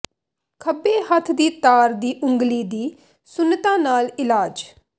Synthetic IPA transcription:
kʰəbeːhət̪ʰd̪iːt̪aːɾd̪iːʔʊ̃ŋɡliːd̪iː | sʊnːt̪ãːnaːlɪlaːd͡ʒ

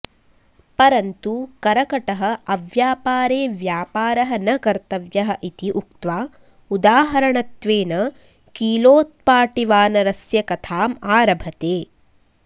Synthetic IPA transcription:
pɐɾɐnt̪ukɐɾɐkɐʈɐɦɐʔɐʋjaːpaːɾeːʋjaːpaːɾɐɦɐnɐkɐɾt̪ɐʋjɐɦɐ̆ʔit̪iʔuk̚t̪ʋaː | ud̪aːɦɐɾɐɳɐt̪ʋeːnɐ | kiːloːt̪̚paːʈiʋaːnɐɾɐsjɐkɐt̪ʰaːmaːɾɐbʱɐt̪eː

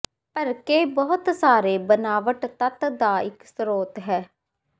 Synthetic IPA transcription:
pəɾkeːbɔːʊt̪saːɾeːbənaːʋəʈt̪ət̪d̪aːɪksɾoːt̪ɦɛː

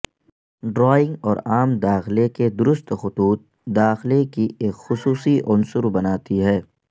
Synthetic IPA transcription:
ɖɾɔːɪ̃ŋɡɔːɾaːmd̪aːxleked̪ʊɾʊst̪xʊt̪uːt̪̚ | d̪aːxlekieːkxʊsuːsiʔʊnsʊɾbɐnaːt̪iɦɛː

